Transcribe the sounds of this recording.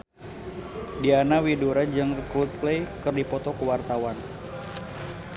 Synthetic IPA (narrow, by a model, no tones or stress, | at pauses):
dianawiduɾad͡ʒɨŋkɾut̪̚plejkɨrdipɔt̪ɔkuwart̪awan